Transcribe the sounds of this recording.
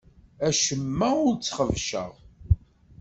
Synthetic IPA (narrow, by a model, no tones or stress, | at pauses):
æʃəmːæʊɾt͡sːχəvʃə̰ʁ